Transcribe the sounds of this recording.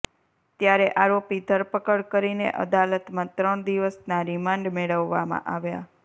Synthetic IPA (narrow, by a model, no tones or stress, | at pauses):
t̪jaɾeʔaɾopid̪ʱəɾpəkəɭkəɾinḛʔə̰d̪alət̪mãt̪ɾəɳd̪iʋəsnaɾimãɳɖmeɭəʋːamã̰ʔaʋja̰